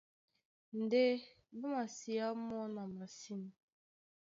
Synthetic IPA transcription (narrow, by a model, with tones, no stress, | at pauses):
n̩˨de˦ | bʊ˦ma˨si˨a˦mɔ˦na˨ma˨si˦n˨˦